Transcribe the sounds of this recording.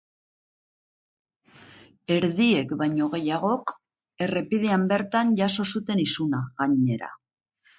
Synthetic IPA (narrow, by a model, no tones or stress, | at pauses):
e̞ɾðie̞kbajɲo̞ɣ̞e̞jaɣ̞o̞k | e̞re̞piðiambe̞ɾt̪anʝaso̞sut̪e̞nisunaɣaɲe̞ɾa̰